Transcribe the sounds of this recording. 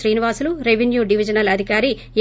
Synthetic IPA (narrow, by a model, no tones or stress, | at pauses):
ɾiːniʋaːsuluɾeʋenjuːɖiʋid͡ʒɐnɐlɐd̪ʱikaːɾi